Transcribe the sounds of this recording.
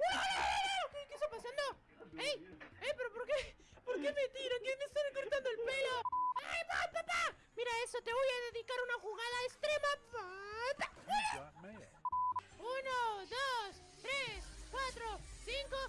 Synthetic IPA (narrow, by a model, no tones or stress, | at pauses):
alaalakekest̪apasand̪o | ejejpe̞ɾopo̞ɾke | poɾkement̪iɾokenest̪aɾekoɾt̪and̪oelpeloajpapapa | miɾae̞so̞t̪e̞βojaðe̞ðikaɾunaxuɣaðaest̪ɾe̞maat̪a | unoðos | t̪ɾeskwat̪ɾoθiŋko̞